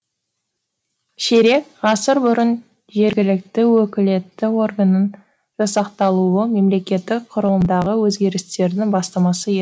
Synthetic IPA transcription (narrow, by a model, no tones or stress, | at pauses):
ʃeɾe̞kʁɑsəɾbʊɾən | ʒe̞ɾɡʲɪlɪk̚t̪ɪwɵkʲɪle̞t̪ːɪo̞rɡənən | ʒ̥ɑsɑqt̪ɑlˠuəme̞mle̞kʲe̞t̪ːɪk̚qʰʊɾəlˠəmd̪ɑʁəwɵzɡʲe̞ɾɪst̪e̞ɾd̪ɪŋbɑst̪ɑmɑsəje